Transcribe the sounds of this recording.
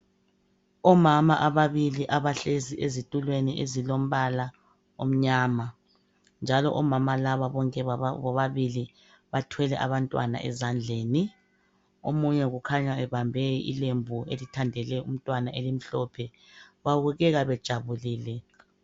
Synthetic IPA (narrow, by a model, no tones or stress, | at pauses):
ɔmamaʔaβaβiliʔaβaɬeziʔezitʼulweniʔezilom̩βala | om̩ɲaːma | nd͡ʒʱalɔ̰ʔɔmamalaβaβɔŋkʼɛβɔβaβili | βatʰwɛlɛ̰ʔa̰βantʼwa̰na̰ʔɛ̰zand͡ɮʱeːni | omuɲɛɣukʰaɲaɛβambʱɛḭlembʱuḛlitʰandʱɛlɛum̩tʼwanaʔelim̩ɬɔpʰɛ | βaβuɣɛɣaβɛd̥ʒ̥ʱaβuliːlɛ